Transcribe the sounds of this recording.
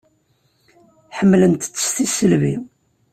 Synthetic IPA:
ħəmːlənt̪t͡sːə̥st̪isːəlvi

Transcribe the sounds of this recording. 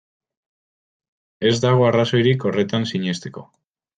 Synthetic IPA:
e̞zd̪aɣ̞o̞araso̞jɾiko̞re̞t̪ansiɲe̞st̪e̞ko̞̰

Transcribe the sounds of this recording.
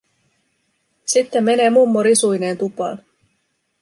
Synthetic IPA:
sit̪ːemːe̞ne̞ːmumːoɾisujne̞ːnt̪upɑ̰ː

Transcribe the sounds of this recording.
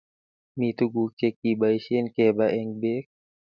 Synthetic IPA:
mit̪uɡukek̚ibaiʃenkebaʔɛŋbek̚

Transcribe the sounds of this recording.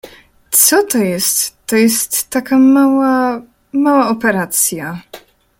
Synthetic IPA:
t̪sɔt̪ɔjɛst̪ːɔjɛst̪ːakamawa | mawaɔpɛɾat̪sʲja

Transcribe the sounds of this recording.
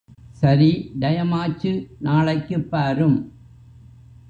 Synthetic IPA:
sɐɾid̪ɐjɐmaːt͡ʃːɯnaːɭɐɪkːɯpːaːɾɯm

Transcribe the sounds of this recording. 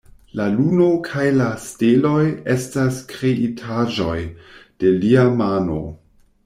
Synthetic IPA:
laluno̞kʰajlastelo̞je̞staskɾeʔitʰaʒo̞jd̥e̞liamano̰

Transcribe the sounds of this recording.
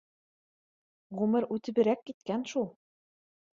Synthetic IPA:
ʁʉmɘɾʉt̪ɘ̆βɘ̆ɾækːit̪̚kænʃulˠ

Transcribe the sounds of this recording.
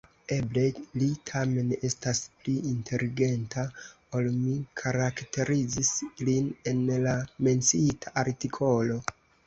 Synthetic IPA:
e̞blelitʰame̞ne̞staspliintʰe̞liɡe̞ntʰa | o̞lmikʰaɾakte̞ɾid͡zisline̞nlame̞nt͡siitʰaʔaɾtikʰo̞lo̞

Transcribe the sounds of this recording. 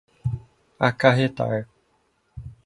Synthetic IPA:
akaɦet̪a̰e

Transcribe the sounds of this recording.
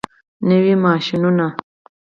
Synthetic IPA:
newimaːʃinuna

